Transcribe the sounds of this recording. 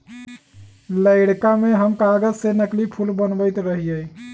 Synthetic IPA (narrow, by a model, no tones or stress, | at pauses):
ləɪɽkameɦəmkaɡəzsenəklipʰulbənbəɪt̪ɾəɦijə